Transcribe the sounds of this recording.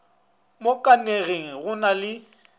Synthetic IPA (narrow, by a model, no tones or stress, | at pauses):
mokʼaneɣeŋ̩ɣʊnalɪ